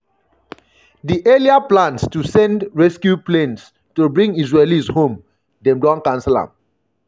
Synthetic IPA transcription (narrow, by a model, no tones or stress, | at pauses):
diʔeliaplãnstusɛ̃ndɹɛskjuplẽns | tubɹĩŋisɹelishõm | dɛ̃mdɔ̃nkãnsɛlã̰m